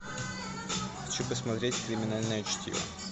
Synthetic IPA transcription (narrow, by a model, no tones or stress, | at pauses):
xɐt͡ɕupəsmɐt̪ɾʲetʲkɾʲɪmʲɪnalʲnəjʊt͡ɕtʲjo̰